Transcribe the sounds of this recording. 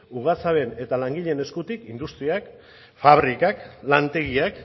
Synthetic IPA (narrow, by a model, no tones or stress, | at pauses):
uɣ̞at͡saβe̞ne̞t̪alaŋɡiʎe̞ne̞skut̪ikind̪ust̪ɾiak | faβɾikaklant̪e̞ɣiak